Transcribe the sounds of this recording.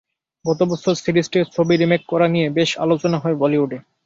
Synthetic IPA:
bɔt̪obosoɾsiɾisʈeɾt͡ɕʰobiɾimekkːɔɾanijebeʃa̰lot͡ɕonaɦɔebɔliuɖe

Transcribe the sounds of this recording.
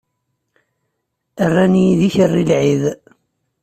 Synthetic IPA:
ərˤːænijiðiçərˤːilʕið

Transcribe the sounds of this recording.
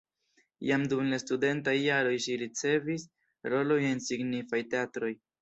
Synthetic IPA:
jamdumlastude̞ntajːaɾo̞jʃiɾit͡se̞vis | ɾo̞lo̞je̞nsiɡnifajte̞atɾo̞j

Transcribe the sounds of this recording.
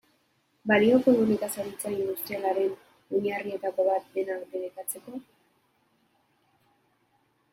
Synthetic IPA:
balio̞komunikasaɾit͡sainβuɾst̪ialaɾe̞n | uɲarie̞t̪ako̞βat̪̚d̪e̞nakbe̞ɾekat͡se̞ko̞

